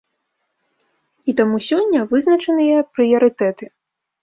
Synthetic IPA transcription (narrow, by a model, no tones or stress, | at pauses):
it̪amusʲɔnʲːɐʋɪznɐt͡ʃɛnɨjɛpɾɨjɐɾɨt̪ɛt̪ɨ